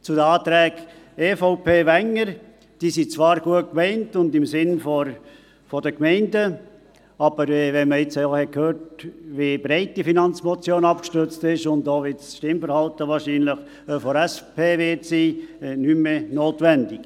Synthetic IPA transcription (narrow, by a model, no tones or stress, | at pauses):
t͡sʊdəɑːt̪ɾɛːɡ | efoʊpʰeːʋɛŋːəɾ | d̥iːsit͡sʋɑːɾɡuət̚kmɛɪntʊndɪmsɪnfɔ | fɔdəkmɛɪndə | ɑb̥əɾʋɛnməɪt͡sohɛkʰhøːɾtʋibɾɛɪt̚d̥ifinɑnt͡smɔt͡sjoːnɑpkʃtʏɾt͡stɪʃʊndoːʋɪtsʃtɪmfəɾhɑltəʋɑːɾʃiːnləχ | øfoɾɛspʰeːʋɪtsiːnymːenoːtʋɛndɪk